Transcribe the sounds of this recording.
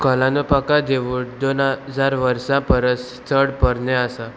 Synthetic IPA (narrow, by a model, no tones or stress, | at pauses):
kɔlãnupakad̪eʋuːɳd̪onəd͡zaɾʋəɾsãpəɾət | t̪ʰəɽpəɾneasa